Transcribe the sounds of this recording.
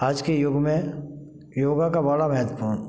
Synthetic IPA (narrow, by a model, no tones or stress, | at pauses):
aːd͡ʒkejʊɡmẽ | joːɡakabəɽamɛɦt̪puːn